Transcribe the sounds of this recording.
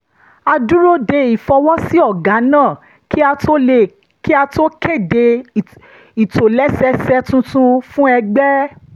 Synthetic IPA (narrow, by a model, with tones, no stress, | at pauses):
a˧du˦ɾo˦de˧i˨fɔ˧wɔ˦si˦ɔ˦˨ɡa˨˦nãː˦˨ | ki˦a˧tʰo˦le˧ | ki˦a˧to˦ke˦˨de˧ | i˨to˨lɛ˦sɛ˧˦sɛ˧tũ˧˦tũ˧fũ˦ɛ˧ɡ͡bɛ˦